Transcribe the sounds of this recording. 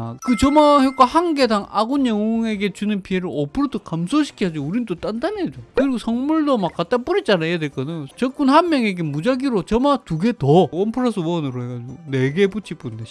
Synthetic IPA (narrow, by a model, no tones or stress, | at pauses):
kɯt͡ɕʌmaɦek͈wahanɡe̞daŋaɡunjʌŋoŋe̞ɡe̞t͡ɕunɯnpʰie̞ɾɯɾʌpʰɯɾodokamsʰoɕʰi̥kʰiad͡ʑouɾindot͈andaned͡ʑokɯɾiɡosʰʌŋmuɭdomak͈ːat͈ap͈uɾit͡ɕ͈anajadeɭk͈ʌnajot͡ɕʌk͈unhanmjʌŋe̞ɡe̞mud͡ʑaɡiɾot͡ɕʌmatuɡe̞towʌnpʰɯɾasʰɯuʌnɯɾoɦe̞ɡad͡ʑiɡone̞ɡeput͡ɕʰip͈unde